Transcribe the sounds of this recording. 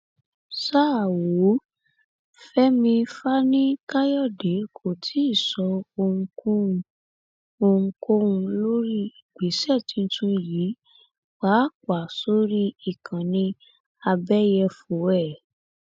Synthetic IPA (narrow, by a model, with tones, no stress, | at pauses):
sa˦˨wo˨˦ | fɛ˦mĩ˧fa˦nĩ˦ka˦jɔ˦˨de˨˦kʰo˦˨tʰi˨˦i˦˨sɔ˨˧˦o˧ŋ̩˧kũ˦ũ˧ | o˧ŋ̩˧ko˦ũ˧lo˦ɾi˦i˨ɡ͡be˨˦sɛ˦˨tĩ˨˧n̩˧˦tũ˧ji˨˦ | k͡pa˨˦˨ka˨so˦ɾi˦i˨kʰã˨nĩ˧ | a˧bɛ˦jɛ˧fo˨˦ɛ˦˨